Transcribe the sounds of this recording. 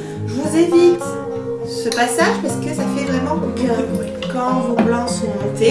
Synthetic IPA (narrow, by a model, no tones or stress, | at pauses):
ʒəvuzevit̪ | səpasaʒpaʁsə̥kəsafɛvʁɛmɑ̃kɔ̃pɛ̃ʁ | kɑ̃ʒoplɑ̃sunet̪e